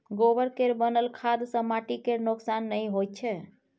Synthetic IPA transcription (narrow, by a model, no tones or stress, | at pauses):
ɡobəɾkeɾbənəlkʰad̪səmaʈikeɾnoksanːəjɦot̪̚t͡ʃʰɛ